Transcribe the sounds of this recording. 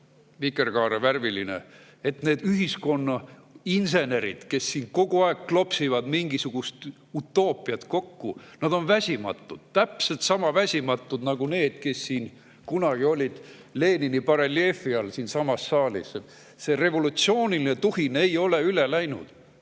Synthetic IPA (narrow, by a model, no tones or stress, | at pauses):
vikːˑerkɑːɾeværvilinḛ | et̪ne̞ːd̪̥yɦisko̞nːɑinse̞ne̞ɾḭd̪̥ke̞sːiːnko̞ɡ̥uɑekːklo̞psivɑd̪miŋɡ̥isuɡ̥ust̪ | ut̪ːˑo̞ːpːˑiɑt̪ko̞kːunɑd̪̥o̞nvæsʲimɑ̰t̪ːˑud̪̥t̪æpse̞lt̪sɑmɑvæsʲimɑt̪ːˑud̪nɑɡ̥une̞ːd̪̥ke̞sːiːn | kunɑɡ̥io̞lʲid̪̥ | le̞ːninipɑɾelie̞ːfiɑlsiːnsɑmɑsːɑːlʲḭs | se̞re̞vo̞lut̪sio̞ːnilinet̪uhine̞jo̞le̞yle̞læjnṵd̪̥